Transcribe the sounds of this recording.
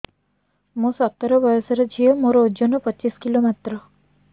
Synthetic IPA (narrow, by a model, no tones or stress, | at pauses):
mõsɔt̪ːɔɾɔbɔjɔsɔɾɔd͡ʒʰʱiɔmoɾɔud͡ʒonɔpɔt͡ʃiskilomat̪ɾɔ